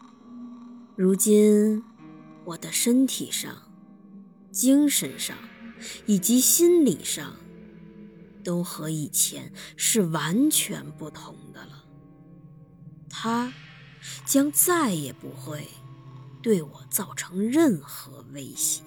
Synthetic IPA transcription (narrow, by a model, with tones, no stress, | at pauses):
ɻu˧˥t͡ɕi˥n | wɔ˨˩d̪ə˦ʂə˥nt̪ʰḭ˨˩ʂɑ̰˥˩ŋ | t͡ɕi˥ŋʂə˧˥nʂɑ̰˥˩ŋi˨˩t͡ɕi˧˥ɕi˥nlḭ˨˩ʂɑ̰˥˧ŋ | t̪o˥ʊxɤ˧˥i˨˩t͡ɕʰjɛ̰˧˥nʂɻ̩˥˩wa˧˥nt͡ɕʰɥɛ̰˧˥npu˥˩t̪ʰʊ˧˥ŋd̪ə˧l | t̪ʰa˥ | t͡ɕjɑ˥ŋt͡sa˥˩ɪjɛ˨˩pu˧˥xwe˥˧ɪt̪we˥˩ɪwɔ˨˩t͡sɑ˥˩ʊʈ͡ʂʰɤ˧˥ŋɻə˥˩nxɤ̰˧˥we˥ɪɕjɛ˨˩˦